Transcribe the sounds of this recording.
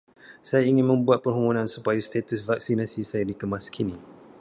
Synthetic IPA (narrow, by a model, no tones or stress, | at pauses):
sajaiŋɪ̃nmə̃mbuat̪̚pərɦumunãnsupajast̪et̪əsvaksinasisajadikəmaskʰini